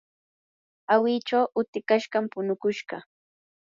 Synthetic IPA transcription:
awɪt͡ʃawʔʊt̪ɪkaʃɢɑmpʊnʊkʊʃɢɑ̰

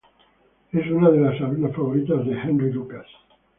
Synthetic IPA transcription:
esunað̞elasalunasfaβoɾit̪azðehẽndrilukaθ

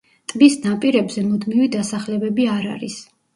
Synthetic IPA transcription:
t̪ʼbisnapʼiɾɛbzɛmud̪mivid̪asaχlɛbɛbiaɾa̰ɾis

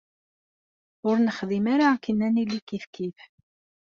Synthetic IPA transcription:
ʊɾnəχðimaɾakənːænilːikifkiθ

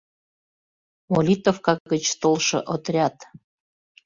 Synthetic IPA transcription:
molʲit̪ofkɑɡət͡ɕst̪olˠʃɤ̰̆ʔot̪rʲɑt̪

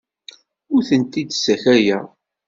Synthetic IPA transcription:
ʊɾθənt̪id̪sæçæjæ

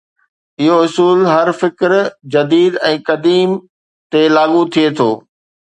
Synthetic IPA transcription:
ɪɦoʊsuːlɦɐɾfɪkɾd͡ʑɐd̪iːd̪ɛ̃ːkɐd̪iːm | t̪elaːɠut̪ʰiet̪ʰoː

